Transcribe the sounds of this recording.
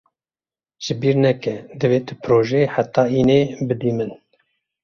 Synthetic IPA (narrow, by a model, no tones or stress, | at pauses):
ʒ̥ɨbiːɾnɛkɛd̪ɨveːt̪ʰɨpʰɾoːʒɛħat̪ːɑːiːneːbɨd̪iːmɨn